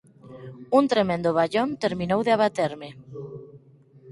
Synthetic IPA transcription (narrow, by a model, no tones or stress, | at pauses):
unt̪ɾemẽnd̪oβ̞aʎont̪eɾmĩnowðeaβat̪eɾmɪ